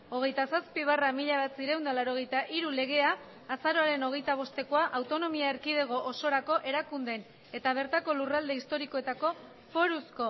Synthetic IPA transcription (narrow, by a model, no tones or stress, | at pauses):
o̞ɣ̞e̞jt̪asaspiβ̞aramiʎaβat͡siɾewnd̪alaɾoɣ̞e̞jt̪aʔiɾule̞ɣ̞e̞aː | saɾo̞aɾe̞no̞ɣ̞e̞jt̪aβ̞o̞st̪e̞ko̞aʔawt̪o̞no̞miaeɾkiðe̞ɣ̞o̞ʔoso̞ɾako̞ʔe̞ɾakund̪e̞n | e̞t̪aβ̞e̞ɾt̪ako̞lurald̪e̞ist̪o̞ɾiko̞e̞t̪ako̞ | fo̞ɾusko̞